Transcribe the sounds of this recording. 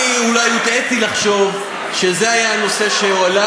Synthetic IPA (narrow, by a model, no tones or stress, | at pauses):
julajut̪etilaχʃo̞v | ʃezeajano̞se̞ʃeoala